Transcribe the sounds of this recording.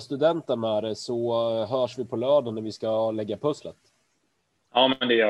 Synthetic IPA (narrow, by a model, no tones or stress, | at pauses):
st̪ɵd̪ɛnt̪ənæːɖɛsɔɦœːʂvɪpʰɔlœːɖ̪ənːæɾvɪskalɛɡːapʰɵslə̰t̪ | jɑːmɛnd̪ɛjœː